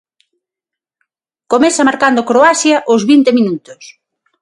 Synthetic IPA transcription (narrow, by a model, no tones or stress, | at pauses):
komɛsɐmaɾkand̪okɾoasjɐʔʊzβint̪eminut̪ʊs